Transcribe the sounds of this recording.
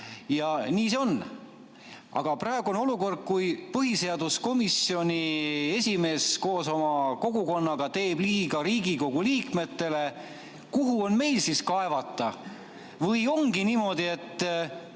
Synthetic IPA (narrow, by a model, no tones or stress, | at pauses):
jɑniːseo̞n | ʔɑ̰ɡ̥ɑpɾɑeɡuo̞no̞luko̞rd̪̥̚kujpɤɦise̞ɑd̪usko̞misːio̞nʲie̞sʲime̞ːsko̞ːso̞mɑko̞ɡ̥uko̞nːɑɡ̥ɑt̪e̞ːb̥liːɡ̥ɑɾiːɡiko̞ɡ̥uliːkme̞t̪ːe̞le̞ | kuɦuo̞nme̞jlsiskɑe̞vɑt̪ˑːɑ | vɤjo̞ŋɡiniːmo̞d̪̥ie̞t̪ːˑ